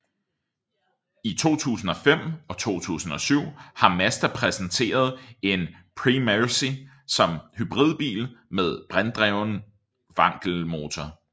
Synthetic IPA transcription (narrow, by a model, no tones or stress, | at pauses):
it͡sʰo̝̰ːt͡sʰṵːsn̩ɒ̽fem̰ɒ̽t͡sʰo̝̰ːt͡sʰṵːsn̩ɒ̽syʊ̰hɑ̈mæsd̥æpʰʁɛsn̩t͡sʰe̝̰ːɐð̞̩ˠe̝n | pʰʁimæsi | sɒ̽mhyb̥ʁið̞̰ˠb̥ḭːlmeð̞ˠb̥ʁand̥ʁɛʊn | ʋɑ̈ŋ̰ɡ̥l̩mo̝ːt͡sʰɒ